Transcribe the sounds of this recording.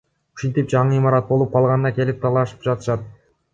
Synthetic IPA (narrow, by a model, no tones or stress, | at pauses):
y̥ʃint̪ip̚d͡ʒɑɴɯimɑɾɑt̪̚bo̞lˠup̚qʰɑlˠʁɑnnɑkʲe̞lip̚t̪ʰɑlˠɑʃɯ̥pd͡ʒɑt̪ɯ̥ʃɑt̪̚